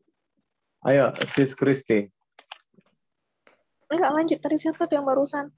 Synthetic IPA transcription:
ʔa̰jasiskɾist̪i | ŋɡaʔlaɲd͡ʒʊt̪̚dadisiap̪at̪ujaŋbaɾusan

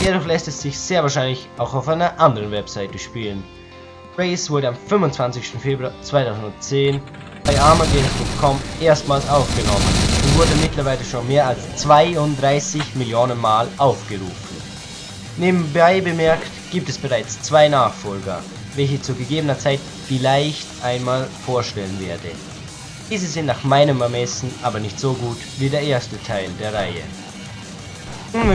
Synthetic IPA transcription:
d̥eːɐdʊxlɛstɛsz̥ɪçz̥eːɐvaɐʃaɪnlɪçaʊxaʊfʔaɪnɐʔandəʁənvɛpsaɪtəʃpiːlən | ʁeɪsv̥ʊɐɾəamfʏmvʊntt͡sv̥ant͡sɪçstn̩feːbʁuat͡sv̥aɪtʰaʊzn̩dʊnt͡seːn | b̥aɪʔaɐmadɛpʰʊŋtkʰɔmʔeːɐstmaːlsʔaʊfɡ̥ənɔmə̰nʊntv̥ʊɐdəmɪtlɐvaɪləʃoːnmeːɐalst͡sv̥aɪʊndʁaɪsɪçmɪljoːnənmaːlʔaʊfɡ̥əʁṵːfn̩ | neːbm̩baɪbəmɛɐktɡ̥iːp̚tɛsb̥əʁaɪt͡st͡sv̥aɪnaːχfɔlɡɐ̰ | vɛlç̬ɪçt͡suːɡəɡeːbənɐt͡saɪt | fɪlaɪçtʔaɪnmaːlfoːɐʃtɛlənveːɐdə | d̥iːzəzɪntnaːχmaɪnəmɛɐmɛsn̩ʔaːbɐnɪçtz̥oːɡuːtviːdeːɐʔeːɐstətʰaɪldeːɐʁaɪə̰

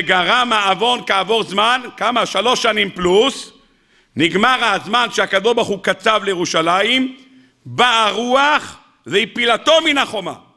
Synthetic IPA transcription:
eɡaʁamaːvo̞nkaːvo̞ʁzmankamaʃalo̞ʃanimplus | niɡmaʁazmanʃeakad̪oʃbaʁχukat͡savlejeʁuʃalaim | baaʁuaχ | zeipilat̪o̞minaχo̞ma̰

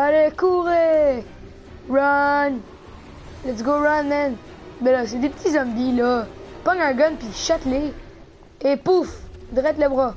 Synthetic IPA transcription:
alɛkuʁe | ɹʌn | lɛts̬ɡoɹʌnːɛn | bɛlɔs̬ed̪epət̪ʰizãmbilɔpãŋaɡɔnpiʃat̪leː | pufd̪ʁɛt̪lɛbʁa

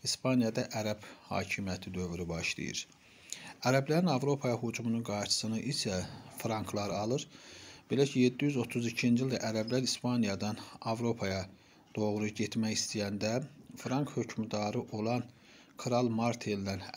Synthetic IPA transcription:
ispʰɑnijɑd̪ɑʔæɾæb̥hɑ̰ːcʰimjæt̪ʰid̪ø̞vɾybɑʃlˠḭjɯ̰ɾ | æɾæblæɾinɑvɾo̞pʰɑjɑɦud͡ʒumununɡɑɾɾʃʰɯ̥sɯnɯʔisʰæfɾɑŋkʰlˠɑɾɑlˠɯɾb̥e̞læcʰije̞d̪ːijyzo̞t̪ʰuzicʰind͡ʒilʲd̪æʔæɾæblæɾispɑnijɑd̪ɑnɑvɾo̞pʰɑjɑ | d̪̥o̞ɣɾuɟe̞t̪mæçist̪ijænd̪æfɾɑŋkhø̞cʰmd̪ɑɾɯʔo̞lˠɑn | kʰɾɑlˠmɑɾt̪ʰelːæn

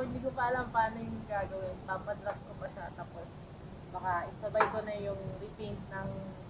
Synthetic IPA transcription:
hɪnd̪iːkopɐʔɐlɐmpaːnɐjʊŋɐɡaːɡɐwɪnpamɐd̪ɾɐp̚kopɐʃat̪apos | bɐkaʔɪsɐbajkonɐjʊŋɾɪpint̪̚nɐŋ

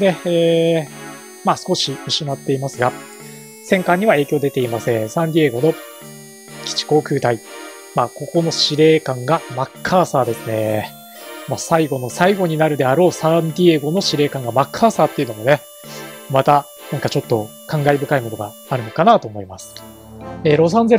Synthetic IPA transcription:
d̪eeː | maːsɨ̥ko̞ɕimiɕimat̪ːe̞imasɨɡa | sẽ̞ŋkãɲ̟ːiβae̞ːkʲo̞ːd̪e̞t̪e̞imasẽ̞ɰ̃sãnd̪ʲie̞ːɡo̞no̞ | kʲi̥t͡ɕi̥ko̞ːkɯ̟ːt̪ai | maːko̞ko̞no̞ɕiɾe̞ːkãŋɡamakʰːaːsaːd̪e̞sɨne̞ | maːsaiɡo̞no̞saiɡo̞ɲ̟inaɾɯ̟d̪e̞aɾo̞ːsãɲd̪ʲieɡo̞no̞ɕiɾe̞ːkãŋɡamakʰːaːsaːt̪ːe̞iɯ̟no̞mone̞ | mat̪a | nãŋkat͡ɕo̞t̪ːo̞ | kãŋɡaibɯ̟kaimo̞no̞ɡa | aɾɯ̟no̞kanat̪o̞ːmo̞imasɨ̥ | eːɾo̞s̬ãnze̞

